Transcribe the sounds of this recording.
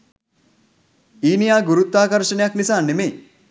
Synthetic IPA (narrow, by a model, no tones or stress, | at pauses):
iːnijaːɡuɾut̪ːaːkɐɾʃɐnejaknisaːnːemeː